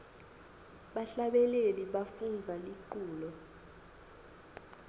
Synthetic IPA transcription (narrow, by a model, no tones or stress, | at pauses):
ɓaɬaɓɛleliɓafund͡zʱaliǃuːlɔ